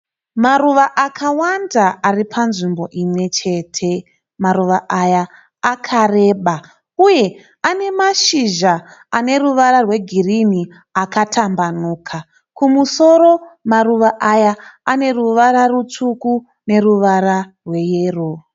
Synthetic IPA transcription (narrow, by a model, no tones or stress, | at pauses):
maruʋaʔakʰawandaːripʰanʐimbo̞ʔimwe̞t͡ʃe̞ːtʰe̞ | maruʋaʔajaː | kʰare̞ɓa | uje̞ | ane̞maʃiʒaane̞ruʋaɾarwe̞ɡʱirini | akatʰambanuːkʰa | kumuso̞ɾo̞maruʋaʔajaane̞ruʋaɾarut͡suku | ne̞ruʋaɾarwe̞jeːro